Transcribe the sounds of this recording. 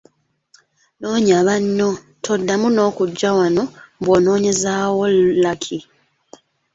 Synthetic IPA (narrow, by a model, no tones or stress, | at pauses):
noːɲaβanːo̞ | tʰo̞dːamuno̞ːkuɟːawano̞mbwoːno̞ːɲe̞zaːwolːakʰi